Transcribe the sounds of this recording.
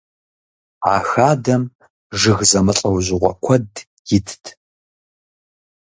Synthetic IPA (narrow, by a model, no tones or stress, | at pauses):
a̰ːxaːdɐm | ʐɨɣzɐmɨɬʼɐwʑɪʁʷɔ̰kʷʰɔd | jɪtʰtʰ